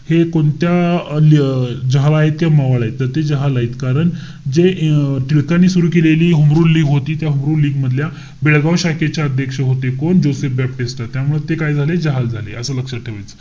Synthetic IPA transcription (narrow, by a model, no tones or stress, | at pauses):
hekoɳt̪jald͡ʑəɦalaɦet̪̚kjamaʋaɭaɦit̪ːəɾt̪ed͡ʑəɦalaɦiːt̪kaɾəɳ | d͡ʑeʈiɭkanːiːsuɾuːkeleliːɦumɾuːnliːɡɦot̪iːt̪jaɦumɾuːnlːiːɡməd̪ʱlja | beɭɡaʋɕaket͡ɕjaəd̪ʱjəkʂəɦot̪ekoɳd͡ʑosefbɛp̚ʈist̪at̪ːjamuɭet̪ekajd͡zʱaled͡ʑəɦald͡zʱalḛəsəːləkʂəʈʰːeʋajt͡sə̥